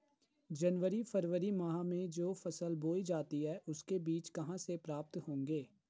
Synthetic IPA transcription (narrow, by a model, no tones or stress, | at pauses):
d͡ʒənʋəɾifəɾʋəɾimaɦãmẽd͡ʒoːfɐsəlboːid͡ʒaːt̪iɦɛːʔʊskebiːt͡ʃkɐɦãsepɾaːp̚t̪ɦõːŋɡeː